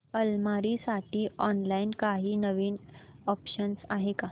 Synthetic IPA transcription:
əlmaɾiːsaʈʰiːɔnlainkaɦiːnəʋiːn | ɔpɕənsaɦeka

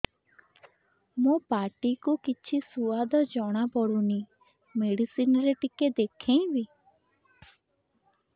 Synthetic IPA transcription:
mũpaʈikukit͡ʃʰisuad̪ɔd͡ʒɔɽ̃apɔɽuni | meɽisinɔɾeʈiked̪ekʰẽĩbi

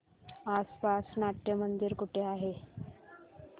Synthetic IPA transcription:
aspasnaʈ̪jəmənd̪iɾkuʈʰeaɦe

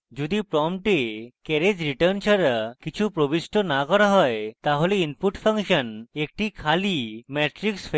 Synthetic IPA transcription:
d͡ʒod̪ipɾɔmʈekɛɾed͡ʑɾiʈəɾnt͡ʃʰaɾkit͡ɕʰupɾobisʈonakɔɾaɦɔet̪aɦoleinpuʈfʰəŋʃənek̚ʈikʰalimɛʈɾiksfʰe

